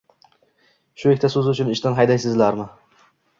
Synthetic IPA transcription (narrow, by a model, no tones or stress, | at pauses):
ʃʊekʲt̪ʰasɵzɪʊt͡ʃʰʊnɪʃt̪anɦajd̪ajsɪzlaɾmɪ